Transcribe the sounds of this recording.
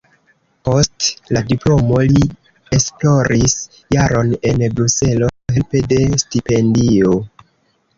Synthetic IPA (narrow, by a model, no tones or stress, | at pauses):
po̞stladiplo̞mo̞li | esplo̞ɾʔis | jaɾo̞ne̞nbɾuse̞lo̞ɦelpe̞de̞stipe̞ndio̞